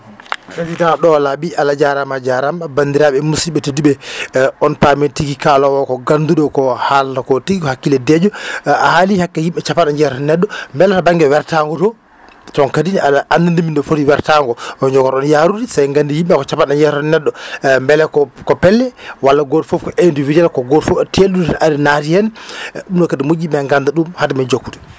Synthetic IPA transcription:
pɾesidãɗɔlaɓiʔalad͡ʒaɾamad͡ʒaɾamabandiɾaɓɛmusiɓɛtediɓɛɔnpametiɡikalɔwɔkɔɡanduɗɔkɔhalakɔtiɡikɔhakːilɛdɛd͡ʒɔahalihakːɛjimɓɛt͡ʃapːanaɲd͡ʒɛɾɔnɛɗːɔmbɛlɛtɔbaŋɡɛwɛɾtaŋɡɔtɔ | tɔŋkadinaɗaʔandandimindɔfodiwɛɾtaŋɡɔɔɲd͡ʒɔɡɔɾɔnjaɾudisajŋɡandijimɓɛkɔt͡ʃapːaɗaɲd͡ʒɛɾɔnɛɗːɔmbɛlɛkɔkɔpɛlːɛwalːaɡɔtfɔpkɔʔendividalkɔɡɔtfɔtʰeɗudiʔaɾinatihɛnumɗɔkadimod͡ʒibɛŋɡandaɗumhadimɛd͡ʒokːudɛ

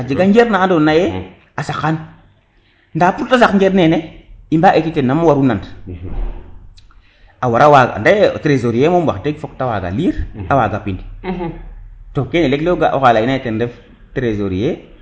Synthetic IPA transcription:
ad͡ʒeɡaŋd͡ʒeɾnadonaje | asakːan | ndaːpuɾtasakŋd͡ʒeɾneneimbaʔetitenːamawaɾunant | awaɾawaɡa̰ndetɾezoɾijemowakteɡfok̚tawa̰ɡa̰liɾawaɡapind | tokenelekleɡa̰ʔo̰kalainajetendef | tɾezoɾije

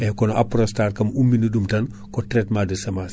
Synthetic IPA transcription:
ɛkɔnapɾostaːrkɐmumːinudumtɐn | kɔtɾɛtmadəsɐmas

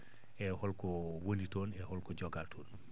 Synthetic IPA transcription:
ʔɛhɔlkɔwonitɔnɛhɔlkɔd͡ʒɔɡaltʰɔːn

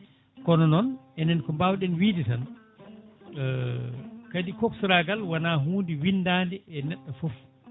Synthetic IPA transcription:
kɔnɔnɔnɛnɛnkɔmbawɗɛnwiːditan | kadikɔksɾaɡalwanaːɦuːndiwinːdaːndɛɛnɛɗːɔfɔf

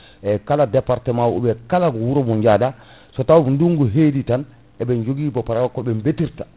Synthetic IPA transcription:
ʔɛkaladɛpaɾtɛmawṵɓɛkalaɡɔwuɾɔbɔɲd͡ʒada | sɔtawnduŋɡɔɦeːditan | ɛbɛnd͡ʒoɡiːbɔpaɾakɔbɛmbetiɾta

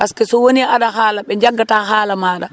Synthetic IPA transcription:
paskɛsɔwoniaɗaɦaːlaɓɛɲd͡ʒaɡːataːhaːlamaːɗa

